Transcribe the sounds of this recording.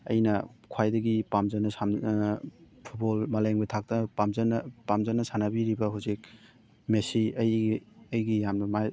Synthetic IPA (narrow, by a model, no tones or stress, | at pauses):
ɐ̰jnɐkʰwajdɐɡipamzɐnɐsam | pʰut̚bolmalajŋbɐtʰak̚tɐpamzɐnɐpamzɐnɐsanɐbiɾibɐɦawzik̚ | mesiɐjɐjɡijamnɐmaj